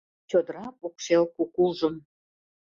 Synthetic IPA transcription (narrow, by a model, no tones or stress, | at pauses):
t͡ɕod̪əɾɑpokʃelkukulʒəm